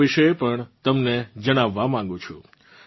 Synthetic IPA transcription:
iʃəepəɳt̪əmned͡ʒəɽ̃aʋːamãŋɡũt͡ʃʰũ

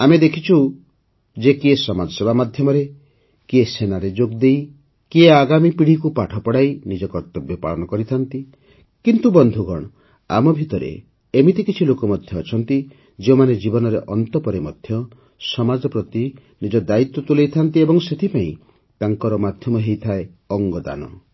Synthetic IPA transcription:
amed̪ekʰit͡ʃʰu | d͡ʒekiesɔmad͡ʒɔsebamad̪ʱjɔmɔɾe | kiesenaɾed͡ʒoɡd̪ej | kieaɡamipiɽ̤ikupaʈʰɔpɔɽajnid͡ʒɔkɔɾt̪ɔbjɔpa̰ɭɔnɔkɔɾit̪ʰant̪i | kint̪ubɔnd̪ʱuɡʱɔɽ̃ɔ | a̰mɔbʱit̪ɔɾḛ | emit̪ikit͡ʃʰilokɔmɔd̪ʱjɔːt͡ʃʰɔnt̪i | d͡ʒeomaned͡ʒibɔnɔɾeʔɔnt̪ɔpɔɾemɔd̪ʱjɔ | sɔmad͡ʒɔpɾɔt̪i | nid͡ʒɔd̪ait̪ːwɔt̪ulejt̪ʰant̪iebɔŋset̪ʰipaĩ | t̪aŋkɔɾɔmad̪ʱjɔmɔɦejt̪ʰae | ɔŋɡɔd̪a̰nɔ̰

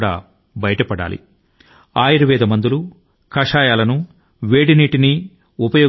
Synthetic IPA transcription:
ɽa̰ː | bɐjɐʈɐpɐɽa̰ːlḭ | aːjiɾɐʋɛːd̪ɐmɐnd̪ulu | kɐʂaːjaːlɐnu | ʋeːɽiniːʈini | upɐjoː

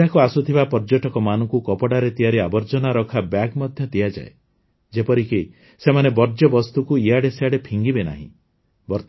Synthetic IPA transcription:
akuasut̪ʰibapɔɾd͡ʒoʈɔkɔmanɔŋkukɔpɔɽaɾet̪ijaɾiabɔɾd͡ʒɔnaɾɔkʰabjaɡmɔd̪ʱjɔd̪iad͡ʒa̰e | d͡ʒepɔɾiki | semanebɔɾd͡ʒɔbɔst̪ukuiaɽeseaɽepʰiŋɡibena̰ɦḭ̃ | bɔɾt̪

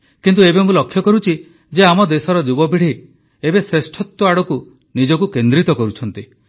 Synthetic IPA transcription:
kint̪uebemulɔkʰjɔkɔɾut͡ʃʰi | d͡ʒeamɔd̪esɔɾɔd͡ʒubɔbʱiɽ̤i | ebesɾesʈʰɔt̪wɔaɽɔku | nid͡ʒɔkukend̪ɾit̪ɔkɔɾut͡ʃʰɔnt̪i

